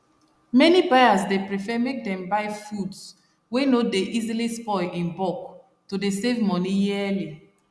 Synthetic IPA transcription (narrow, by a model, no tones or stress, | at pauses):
mɛnibajasdepɹifɛmek̚dɛ̃mbaɪfuds | wenodeʔizilispɔɪĩnbɔk̚ | todesevmɔnijili